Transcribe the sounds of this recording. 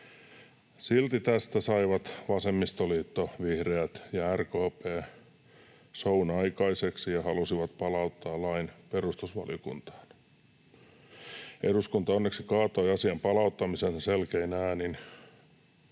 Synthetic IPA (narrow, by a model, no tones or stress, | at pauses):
silt̪it̪æst̪æsɑiʋɑt̪ʋɑsemːist̪oliːt̪ːoʋihreæt̪jɑærkoːpeː | sounɑikɑiseksijɑhɑlusiʋɑt̪pɑlɑut̪ːɑːlɑinperust̪usʋɑ̰lḭokṵnt̪ɑ̥ːn | eɾuskunt̪ɑonːeksikɑːt̪oiɑsiɑmpɑlɑut̪ːɑmisensselkeinæːnin